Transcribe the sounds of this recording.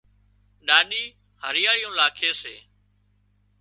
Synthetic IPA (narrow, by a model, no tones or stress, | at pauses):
ɗaːɗiː | həɾɪjaːɪjũːlaːkʰeːseː